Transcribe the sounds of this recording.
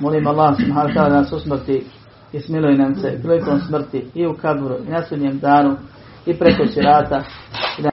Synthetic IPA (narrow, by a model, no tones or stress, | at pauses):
molimoalˠːaːhusubɦaːnoat̪aːlːad̪anaːsusmr̩t̪i | ismilujenamseplik̪oːmsmr̩t̪iiukabɾuinasudɲeːmd̪aːnu | ipɾeko̞siɾaːt̪aid̪